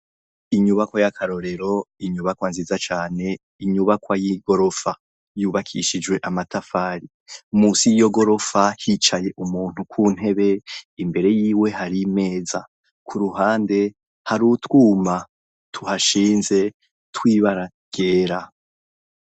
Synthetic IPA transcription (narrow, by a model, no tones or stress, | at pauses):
iɲuβakwajakʰaɾo̞ɾe̞ɾo̞iɲuβakwaːnzizat͡ʃaːne̞ | iɲuβakwajiɡo̞ɾo̞fa | juːβakʰḭʃid͡ʒwe̞ʔamatafaːɾi | musijjo̞ɡo̞ɾo̞fahit͡ʃaje̞ʔumuːn̥hukʰuːn̥e̞βe̞imbe̞ɾe̞jiːwe̞ɦaɾime̞ːza | kʰuɾuɦaːnde̞ | haɾutwuːma | tʰuhaʃiːnze̞ | twiːβaɾa | ɡ̥eːɾa